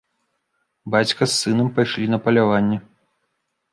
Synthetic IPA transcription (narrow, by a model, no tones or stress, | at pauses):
bat͡sʲkɐsːɨnɐmpajʂlʲinɐpɐlʲavanʲːɛ